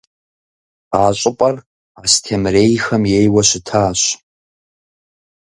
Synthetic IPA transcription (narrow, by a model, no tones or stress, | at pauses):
aːɕʷʼʊpʼɐr | astʰemrejxɐmjejwɐʃʷɪtʰaːɕʷ